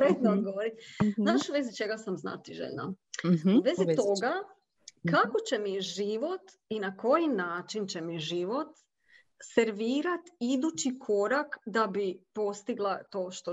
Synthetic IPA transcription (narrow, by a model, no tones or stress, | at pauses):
pɾet̪nod̪ɡoʋoɾit̪zaʃuʋezit͡ʃe̞ɡasamzna̰t̪iʒḛʎna̰ | uʋezit̪oɡa | kako̞t͡ɕe̞miʒiʋo̞t̪ | inako̞jinaːt͡ʃint͡ɕe̞miʒiʋo̞t̪ | seɾʋiːɾat̪id̪ut͡ɕikʰo̞ɾakd̪abipo̞st̪iɡlˠat̪o̞ːʃt̪o